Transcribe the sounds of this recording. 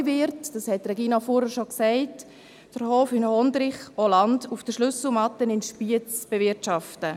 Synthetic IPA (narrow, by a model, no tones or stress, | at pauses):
vɪɾtd̥ɑshɛtrɛɡiːnɑfoːɾəʃoksɛɪt | d̥əɾhoːfɪnhɔndɾɪχɔlɑndufd̥əʃlʏsl̩mɑtənɪnʃpiət͡sb̥evɪtʃɑftə